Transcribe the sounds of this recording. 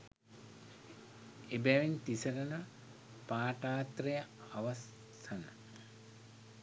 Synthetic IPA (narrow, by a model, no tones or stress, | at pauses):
ebɛʋint̪isəɾənə | paːʈaːt̪rejəaʋɐs | ɐnə